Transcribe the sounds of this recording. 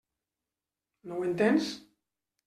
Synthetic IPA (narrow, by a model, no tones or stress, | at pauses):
nowent̪ens